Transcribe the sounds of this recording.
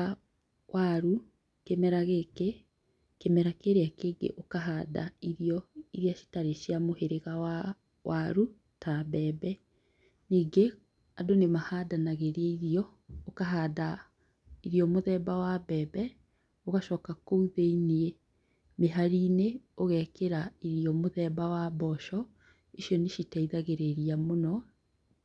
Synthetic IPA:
a | wʔaɾu | kemɛɾaɣeke | kemɛɾakeɾeakeːɡḛʔokaɦada̰iɾiɔiɾiaʃi̥taɾeʃiamoheɾeɣawa | waɾu | tʰabɛːbɛ | niːɡe | adonemahadanaɣeɾaiɾiɔ | okaɦada | iɾiɔmoðɛbawabɛːbɛ | oɣaʃɔːkakouðeinie | meɦaɾineoɣɛkeɾaiɾiɔmoðɛbawabɔʃɔ | eʃjɔneʃitaiðaɣeɾeɾiamonɔ

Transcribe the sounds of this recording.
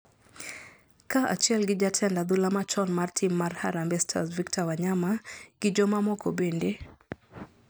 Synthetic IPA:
kaʔa̰t͡ʃɪɛlɡɪd͡ʒatʰɛndad̪ulamat͡ʃɔnmartʰimːarha̰ɾambɛstʰa̰sviktʰawaɲamaɡ̥ɪd͡ʒɔmamɔkʰobende

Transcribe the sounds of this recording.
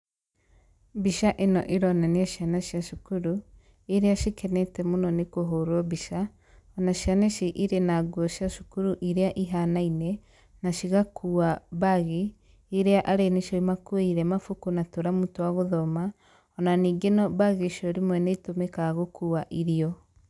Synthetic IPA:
biʃaʔenɔ̰ʔeɾɔnaneaʃianaʃiaʃukuɾu | eɾeaʃikɛnɛtɛmonɔnekoɦoɾwɔβiʃa | ɔnaʃjaneʃiʔiɾenaɡwɔʃjaʃu̥kuɾuʔiɾeaʔiɦanainɛ | naʃiɣakʰuːabaɣeː | ɾeaʔaɾeneʃɔimakweiɾɛmafukunatoɾamutowaɣoðɔma | ɔnaniːɡenɔbaɣeʃɔɾimwɛnetomɛkaɣokʰuːaʔiɾiɔ

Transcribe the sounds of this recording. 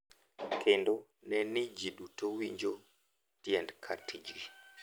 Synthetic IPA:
kʰendonɛnid͡ʒiɗutowiɲd͡ʒo | tjɛndkʰatid͡ʒi

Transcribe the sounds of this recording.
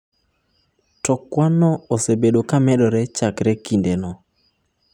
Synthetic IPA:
tɔkwanɔosebeɗokamɛɗɔɾɛt͡ʃakɾɛkindenɔ

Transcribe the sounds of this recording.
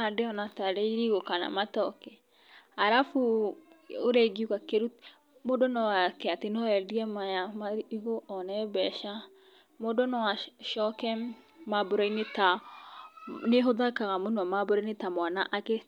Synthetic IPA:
adeɔnataɾɛiɾiɣokana̰matɔkɛ | aɾafu | oɾɛɡiukakeɾu | modɔnɔwakɛatenɔɛdiɛmajamaiɣoʔɔnɛbɛʃa | modɔnɔwaʃɔkɛ | maboɾɔineta | neɦoðakaɣamonwamaboɾɔinetamwanaʔake

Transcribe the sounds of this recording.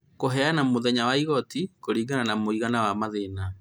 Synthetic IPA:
koɦɛanamoðɛɲawaiɣɔtikoɾiːɡananamoiɣanawamaðena

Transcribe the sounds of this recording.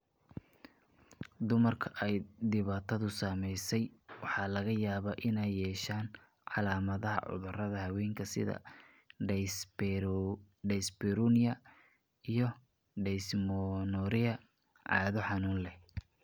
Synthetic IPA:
d̪ʊmɐrkʰɐʔɛjd̪ɪβaːt̪ʰɐðʊsaːmɛjsɛjwɑħɑːlɐɣɐjaːβaːʔɪnɛjːɛːʃaːn | ʕɑ̰laːmɐðɐɦɐ̰ʕʊ̰ðʊrɐðɐhɐwɛːŋkʰɐsɪ̰ðɐ̰ | ɖɛsbɛɾunɪjɐ | ijɞ | ɖɛsmɔnɔɾɪɐ | ʕɑ̰ːðɔħɑnuːnlɛh

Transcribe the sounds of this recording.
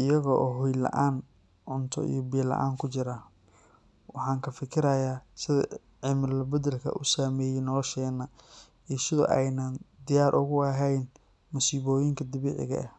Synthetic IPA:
ʔɪjɐɣɔʔɔːɦʊjlɐ̰ʔaːn | ʕʊnt̪ʰɔ̰ʔḭjɔbiːlɐ̰ʔa̰ːŋkʰʊt͡ʃɪɾaː | wɑħɑːŋkʰɐfɪkʰɪɾɐjaːsɪðɐ̰ | ʕɪmɪrlɐbɐd̪ɐlkʰɐ̰ʔʊsaːmɛːjɛnɔlɔʃɛːnːɐ | iːsɪðʊ̰ʔɛjnaːnd̪ɪjaːɾʔʊɣʊɐɦɛjn | mʊsiːβɔːjɪŋkʰɐd̪ɪβiːʕɪ̰ɣɐ̰ɐ̰

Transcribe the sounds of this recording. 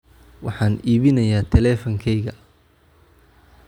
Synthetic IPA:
wɑħɑːniːβɪnɐjaːt̪ʰɛlɛːfɐŋkʰɛjɣɐ

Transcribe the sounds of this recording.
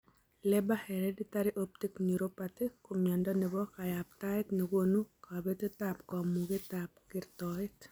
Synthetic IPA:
lɛbahɛɾɛdit̪aɾɪʔop̚tikniɾopat̪ɪkːʊmjɔndɔnɛbɔkajaptaɪtnɛɡonukabet̪etapkɔmuɡetap̚kɪrtɔɪt

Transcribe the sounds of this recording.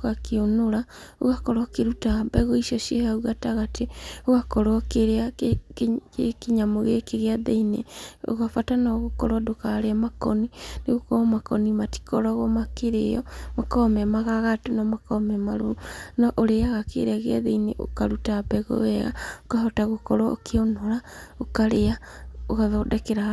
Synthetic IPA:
ɣakeonoɾa | oɣakɔɾɔkeɾutabɛɣɔiʃɔʃiehauɣataɣatʰeoɣakɔɾɔkeɾeakekeɲamoɣekeɣeaðeinḛo̰ɣafatanaɣokɔɾwadokaːɾeamakɔ̰nineɣokɔmakɔnimati̥kɔɾɔɣomakeɾḛjɔ̰makɔmɛmaɣaɣatonɔmakɔmɛmaɾonɔʔoɾeaɣakʰḛɾeaɣeaðeinḛʔo̰kaɾutabɛɣo̰ɛɣa̰okaɦɔtaɣokɔɾɔo̰kʰeonoɾaokaɾeaoɣaðɔdɛkeɾa

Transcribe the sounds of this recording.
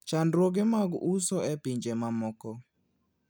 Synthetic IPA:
t͡ʃandɾoɡemaɡusɔɛpiɲd͡ʒemamɔkɔ

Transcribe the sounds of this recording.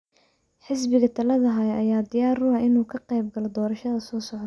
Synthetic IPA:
ħɪs̬bɪɣɐt̪ʰɐlɐðɐɦɐɐjaːd̪ɪjaːrʊɐʔɪnuːkʰɐqɛjbɡɐlɔd̪ɔːɾɐʃɐðɐsɔːsɔʕd̪

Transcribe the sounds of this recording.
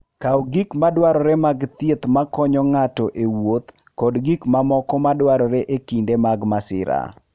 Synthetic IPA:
kawɡikmadwaɾɔɾemaɡt̪jet̪makɔɲɔŋatɔʔewot̪ | kɔdɡikmamɔkɔmadwaɾɔɾeʔekindemaɡmasɪ̰ɾa̰

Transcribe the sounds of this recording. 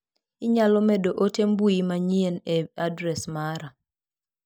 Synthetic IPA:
ɪɲalɔmedoʔotembuimaɲieneadɾɛsmaɾa

